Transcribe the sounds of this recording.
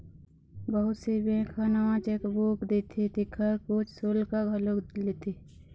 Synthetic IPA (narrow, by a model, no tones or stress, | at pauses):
bəɦʊt̪sebẽːkʰanawãt͡ʃekboːkd̪it̪ʰit̪ikʰəɾkot͡ʃʰsoːlkaɡʱɐloklit̪ʰi